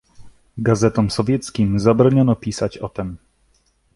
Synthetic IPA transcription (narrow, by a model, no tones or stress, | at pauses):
ɡazɛt̪ɔmsɔvʲjɛt̪skʲimzabɾɔɲɔnɔpʲisat͡ɕɔt̪ɛm